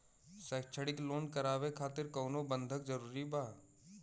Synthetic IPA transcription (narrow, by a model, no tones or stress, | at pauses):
sɛːkt͡ʃʰəɽɪkloːnkɐɾaːʋekʰaːt̪ɪɾkɔːnobə̃nd̪ʱəkzəɾuːɾibaː